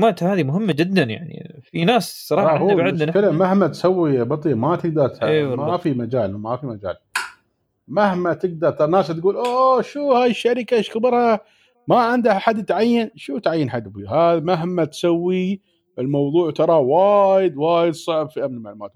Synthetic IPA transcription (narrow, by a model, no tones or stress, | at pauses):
maːt̪haːðimʊɦɪmːad͡ʒɪd̪ːanja̰ʕnḭfinaːssˤːɑɾˤɑːˤʕɪd̪fɪlmmahmat̪sawːibɑt̪ˤimat̪ɪɡ̚d̪ɑɾˤt̪aemafimad͡ʒaːlmmafimad͡ʒa̰ːl | mahmat̪ɪɡ̚d̪ɑɾˤt̪ɑɾˤnaːst̪ɡuːlʔoʃuːhaːjəʃːaɾɪkaʃkɪbɨɾha | maʕɪnd̪aħad̪ːt̪ʕajːanʃuːt̪ʕajːanħad̪ːbihaðmaɦmːat̪sawːi | ʔɪlmɑwðˤuːʕt̪ɑɾˤɑwaːjɪd̪waːjɪd̪sˤɑʕbfiʔamnmaʕlumaːt̪̚